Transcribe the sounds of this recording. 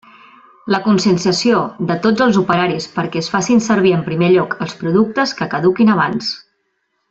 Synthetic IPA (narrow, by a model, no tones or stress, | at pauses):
ləkunsənsəsioðət̪od͡zəlˠzupəɾaɾispəɾkɛəsfasinsəɾβ̞iəmpɾimeʎɔkʰəlˠspɾuðuk̚t̪əskəkəðukinəβ̞ans